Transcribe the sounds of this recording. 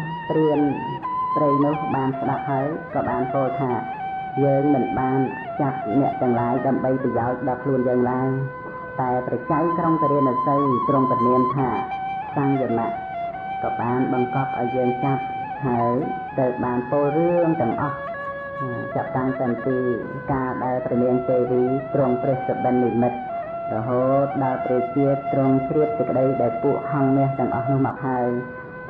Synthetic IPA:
p̪riən | prejnʊ̆əhɓaːnsɗap̚haəjkɑːɓaːnpoːlt̪ʰaː | jəːŋmɨnɓaːn | t͡ɕat̪̚nɛ̆əʔt̪ɛ̆əŋlaːjɗaəmɓəjprɑjaɔc̚ɗɑlkʰluənjəːŋlaəj | t̪aɛlprɑt͡ɕajkroŋt̪ɾiənʔusəwt̪roŋt̪nuənt̪ʰaː | saɲjənaʔ | kɑːɓaːnɓɑŋkɑp̚ʔa̰ɔjːəːŋt͡ɕat̪̚ | ɦaəj | t̪əw̚ɓaːnpoːlrɨəŋt̪ɛ̆əŋʔɑh | t͡ɕap̚t̪aŋt̪ɨmpiː | kaːɗaɛlprɑmiənt̪eːʋiːt̪rʊəŋt̪rɨht͡ɕəɗənːimɨt̪̚ | rɔɦoːt̪̚ɗaɛpruk̚t͡ɕiət̪ːrʊəŋt͡ɕʰriəp̚sɨkə̆ɗəjɗaɛlpuəʔhɑŋnɛ̆əht̪ɛ̆əŋʔɑ̰hnʊ̆əhmɑːk̚ɦaəj

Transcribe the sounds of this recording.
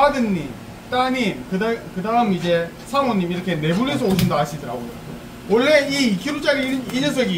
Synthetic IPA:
adɯnːim | t͈aɲimkɯdakɯdaɦɯmid͡ʑe̞ | sʰamʌɲːimiɾʌkʰe̞ne̞bunes̬ʰʌoɕ̬ʰindaɦaɕʰidɯɾa̰ɡojo̰ | wʌɭːe̞ikʰiɾut͡ɕ͈aɾiiɲʌs̬ʰʌɡi

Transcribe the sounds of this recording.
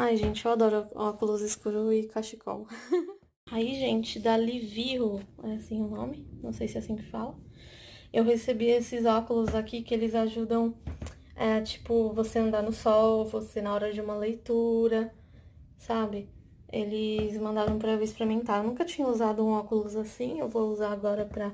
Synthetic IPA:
ajʒẽnt͡ʃɪewad̪ɔɾʊɔkʊlʊzɪskuɾʊɪkaʃikʰɔ̰w | aiʒẽnt͡ʃɪd̪aliviɦʊɛasĩʊnõmɪnɐ̃w̃sejsɪɛasĩkɪ̥falɐ | ewhesebiesɪzɔkʊlʊzakikɪelɪzaʒud̪ɐ̃w̃ | ɛt͡ʃi̥pʊvoseɐ̃nd̪aɾnʊsɔwvosenɐɔɾɐd͡ʒɪũmɐlejt̪uɾɐ | sabɪ | elɪzmɐ̃nd̪aɾɐ̃w̃pɾɐewɪspeɾimẽnt̪aɾewnũkɐt͡ʃĩɲɐuzad̪ʊũɔkʊlʊzasĩewvowuzaaɡɔɾɐpɾɐ

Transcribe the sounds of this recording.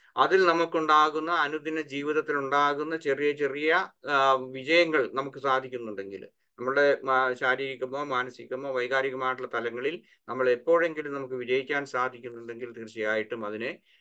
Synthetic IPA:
ɐðilnɐmukːuɳɖaːɣunːɐːnud̪inɐd͡ʑiːʋiðɐt̪ːiluɳɖaːɣunːɐt͡ɕe̞rijɐt͡ɕe̞rijɐ | ʋid͡ʑɐjɐŋːɐɭnɐmukːɨsaːd̪ʱikʲːunːuɳɖe̞ŋɡḭl | nɐmːɐɭuɽe̞ɕaːɾiɾikʲːumːo̞ːmaːnɐsikʲːumːo̞ːʋɐjɣaːɾiɣɐmaːjiʈːuɭːɐt̪ɐlɐŋːɐɭil | nɐmːɐɭepːo̞ːɻe̞ŋɡilumnɐmukːɨʋid͡ʑɐjikʲːaːnsaːd̪ʱikʲːunːuɳɖe̞ŋɡilt̪irt͡ɕijaːjiʈːumɐðinɨ

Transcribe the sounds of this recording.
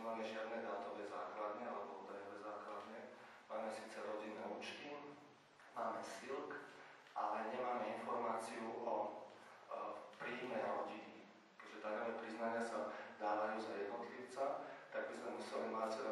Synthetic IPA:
ɛmaːmɛʒɪad̪nɛd̪at̪ɔʋɛzaːklad̪ɲɛalɛbɔud̪ajɔʋɛzaːklad̪ɲɛ | maːmɛsiːt͡sɛɾɔɟinːɛːuːt͡ʃt̪i | maːmɛsilk | ʔalɛɲɛmaːmɛinfɔɾmaːt͡siuʔɔ | pɾiːmɛjɾɔɟini | kɛʒɛt̪akɔʋɛpɾiznaɲɪasad̪aːʋajuːzajɛd̪nɔt̪liːʊt͡sat̪aɡ̚bizmɛmusɛlimat͡sɛɾ

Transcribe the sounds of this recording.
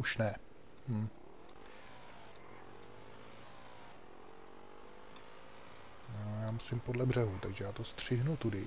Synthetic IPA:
uʃnɛ | m̩ | jaːmusɪmpodlɛbr̝ɛɦut̪aɡʒɛjaːt̪ost̪r̝̥ɪɦnut̪udɪ

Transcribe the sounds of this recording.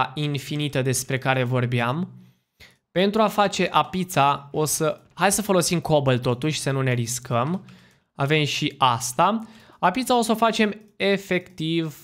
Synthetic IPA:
infinit̪əd̪e̞spɾe̞kaɾe̞vo̞rbeam | pe̞nt̪ɾuafat͡ʃe̞ʔapit̪sao̞sə | hajd̪səfo̞lo̞simko̞bəlt̪o̞t̪uʃʲsənune̞ɾiskʰəm | ave̞mʃiʔast̪a | apit̪sao̞sofat͡ʃe̞m | e̞fe̞kt̪iv

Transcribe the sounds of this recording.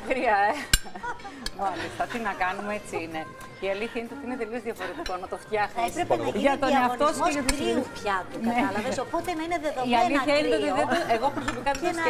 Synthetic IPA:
xɾiɐe | mɐlist̪ɐt̪inɐkɐnumeet͡siine̞ | iɐliθçɐinet̪eot̪iinet̪e̞liozðiɐfo̞ɾe̞t̪iko̞nɐt̪o̞ft̪jɐxmipɾepeʝɐt̪onɐft̪oskeʝɐt̪uɾupçɐt̪uknɐeɐlvesopot̪enɐineðeðoiɐliçɐenet̪eot̪iðeoeɣopɾoso̞pikɐps

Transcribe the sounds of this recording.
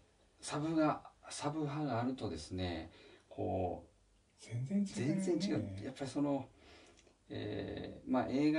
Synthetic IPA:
sabɯ̟ɡasabɯ̟ɦaɡaːɾɯ̟t̪o̞d̪e̞sɨne̞kʰo̞̰ː | zẽ̞nd͡zẽ̞ɲt͡ɕiɡaɯ̟japːaɾʲiso̞no̞ | ḛmaʔe̞ːɡa

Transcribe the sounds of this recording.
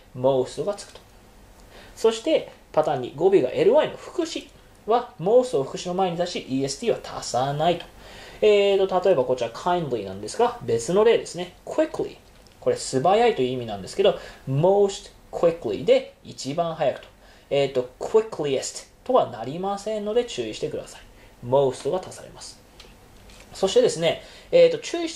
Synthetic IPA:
mo̞ːst̪oɡat͡sɨ̥kɯ̥t̪o | so̞ɕi̥t̪e̞ | pat̪ãːɲ̟ːḭɡo̞bʲiɡa̰ʔe̞ɾɯ̟βaino̞ɸɯ̟̥kɯ̟ɕi | βamo̞ːsoɸɯ̟kɯ̟ɕino̞mae̞ɲ̟it̪aɕiʔiːe̞sɨ̥t̪ʲiːβat̪ʰa̰sanait̪o̥et̪ːo̞t̪at̪o̞e̞bako̞t͡ɕiβakʰãĩnd̪lʲinã̰nd̪e̞sɨɡabe̞t͡sɨno̞ɾe̞ːd̪e̞sɨne̞kɯikɯlḭ | ko̞ɾe̞sɨbajait̪o̞jɯimʲinãnd̪e̞sɨ̥ke̞d̪o̞mo̞ːst̪ | kʰwikɯlʲḭd̪e̞it͡ɕibãɰ̃hajakɯ̟̥t̪o̥ | eːt̪ːo̞kwiklʲiest̪t̪ːo̞βanaɾʲimasẽ̞nːo̞d̪e̞t͡ɕɨːiɕi̥t̪e̞kɯd̪asai̥ | mo̞ːsɨ̥t̪o̞ɡat̪asaɾe̞̰masɨ̥ | so̞ɕi̥t̪ed̪e̞sɨne̞eːt̪ːo̞t͡ɕɨːiɕi̥

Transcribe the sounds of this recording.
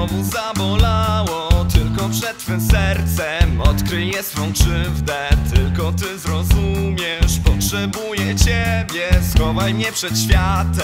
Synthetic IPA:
ɔmuzavɔlawɔt̪ɘlkɔpʂɛt̪t̪ːfɘmsɛɾt̪sɛmɔt̪kɾɘjɛssfɔ̃w̃ʂɘvd̪ɛt̪ɘlkɔt̪ɘzɾɔzumʲjɛʂpɔtʂɛbujɛt͡ɕɛbʲjɛsxɔvajmɲɛpʂɛt̪ɕfʲjat̪ɛ

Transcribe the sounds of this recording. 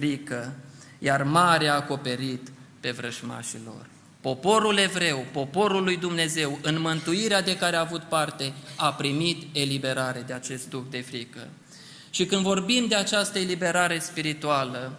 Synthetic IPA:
fɾikə | jarmaɾeako̞pe̞ɾit̪pe̞vɾəʒma̰ʃilo̞̰r | po̞po̞ɾule̞vɾe̞wpo̞po̞ɾulːujd̪umne̞ze̞wɨnmɨnt̪uiɾead̪e̞kaɾeaːvut̪part̪e̞apɾimit̪e̞libe̞ɾaɾe̞d̪eat͡ʃe̞st̪̚ukd̪e̞fɾikə̰ | ʃikɨnvo̞rbimd̪e̞at͡ʃast̪əe̞libe̞ɾaɾe̞spiɾit̪ualə

